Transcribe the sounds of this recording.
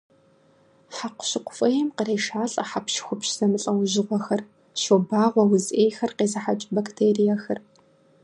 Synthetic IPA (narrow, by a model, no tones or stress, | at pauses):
ħaqʷʊ̥ɕɪqʷʊfʼɐjɛmqəreːʃaːɬʼɐ̰ħapʃxʷʊpɕz̥ɐmɨɬʼɐwʑɪʁʷɔxɐr | ʃobaːʁʷɐwʊzʔeːjxɐrqeːzɐħat͡ʃʼbɐktʰeːrijaxɐr